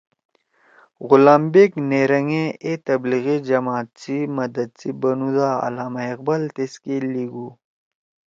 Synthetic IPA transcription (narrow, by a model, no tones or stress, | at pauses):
ɣʊlaːmbeːkneːɾɐŋẽet̪ɐbliɣid͡ʑɐmaːt̪̚t͡simɐd̪ɐd̪̚t͡sibɐnud̪aːɐ̰laːmɐɐq̚bɐlt̪eskeːliːɡuː